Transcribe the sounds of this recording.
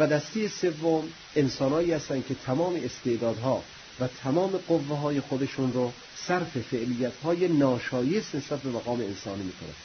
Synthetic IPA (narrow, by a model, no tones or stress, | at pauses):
væd̪æst̪ejese̞vːom | ensɒːnhɒːiːhæst̪æncʰe̞t̪ʰæmɒːmeːst̪e̞ʔd̪ɒːd̪ɦɒː | væt̪ʰæmɒːme̞ɡovːeɦɒːjexod̪eʃunɾo | sæɾfe̞fe̞ʔlijːæt̪ʰhɒːjenɒːʃɒːjesne̞sbæt̪̚be̞mæɣɒːmeensɒːniːmiːkʰonæ̰n